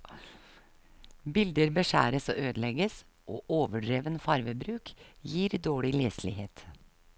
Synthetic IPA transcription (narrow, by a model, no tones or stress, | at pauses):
bɪld̪əɾbəʃæ̰ːɾəso̰ːʔøːd̪əlɛɡəs | ʔoːʔoːʋəɖɾeːʋənfɑɾʋəbɾʉːkjiːɾd̪oːɭɪleːslɪ̰heːt̪